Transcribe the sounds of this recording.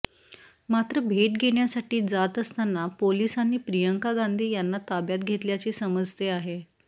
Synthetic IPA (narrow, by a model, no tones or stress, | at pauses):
mat̪ɾəbʱeʈ̚ɡʱeɽjasaʈiːd͡zat̪əst̪anːapolisanːiːpɾijəŋkaɡand̪ʱiːjanːat̪abjat̪̚ɡʱet̪ljat͡ɕiːsəməd͡zt̪eaɦe